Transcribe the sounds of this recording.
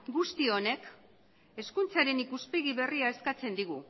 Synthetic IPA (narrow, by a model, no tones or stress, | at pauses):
ɡust̪io̞ne̞k | e̞skunt͡saɾe̞nikuspe̞ɣ̞iβe̞riaeskat͡se̞nd̪iɣ̞u